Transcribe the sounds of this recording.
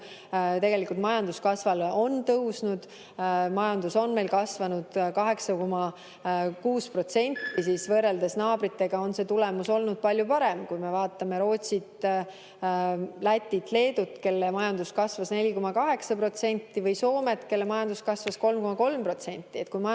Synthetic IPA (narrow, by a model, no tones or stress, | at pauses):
t̪e̞ɡe̞likult̪mɑjɑnd̪̥uskɑsvɑlo̞nt̪ɤwsnud̪̥ | mɑjɑnd̪uso̞nme̞jlkɑsvɑnud̪̥kɑɦe̞ksɑko̞mɑ | kuːspro̞t̪se̞nʲt̪ːisiːsvɤrːe̞ld̪esnɑːb̥ɾit̪ːˑe̞ɡ̥ɑo̞nse̞ːt̪ulemuso̞lnud̪̥̚pɑlʲjupɑɾe̞mkujme̞vɑːt̪ːˑɑme̞ɾo̞ːt̪sit̪ | læt̪ʲːit̪ˑle̞ːd̪ut̪ːˑke̞lːemɑjɑnd̪̥uskɑsvɑsne̞lʲiko̞mɑkɑɦe̞ksɑpro̞t̪se̞nʲt̪ːivɤjso̞ːme̞t̪ke̞lːemɑjɑnd̪uskɑsvɑsko̞lmko̞mɑko̞lmpro̞t̪se̞nʲt̪ʲːie̞t̪̚kujmɑ